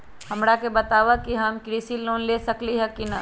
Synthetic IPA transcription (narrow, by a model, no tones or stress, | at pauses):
hɐmɾakebət̪aːʋəkiɦɐmkɾiːsiloːnlesɐkliɦɛkinɐ